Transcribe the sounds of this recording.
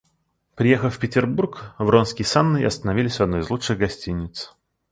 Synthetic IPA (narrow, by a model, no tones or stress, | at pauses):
pɾʲɪjexəffʲpʲɪtʲɪrburkvronskʲɪjsanːɨɪ̰ɐst̪ənɐvʲilʲɪsʲvɐd̪no̞jɪzlˠuʂɨɣɡɐsʲtʲinʲːɪt̪s